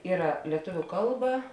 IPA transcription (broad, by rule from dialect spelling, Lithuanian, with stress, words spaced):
ˈiːrɐ lʲiɛˈtʊʋʲʊ ˈkɐlˠˌbɐ